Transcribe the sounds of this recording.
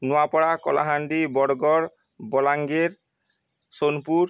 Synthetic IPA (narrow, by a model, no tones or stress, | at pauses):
nuapɔɽakɔ̰la̰ɦaɳɖibɔɽɡɔɽ | bɔlaŋɡeɾ | sonpuɾ